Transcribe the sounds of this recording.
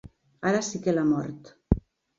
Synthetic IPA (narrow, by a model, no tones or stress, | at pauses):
aɾasikelamɔ̰ɾt̪